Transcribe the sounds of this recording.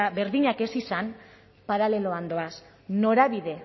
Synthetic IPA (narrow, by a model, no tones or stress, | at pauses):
aβe̞ɾðiɲake̞sisan | paɾale̞lo̞and̪o̞as | no̞ɾaβiðe̞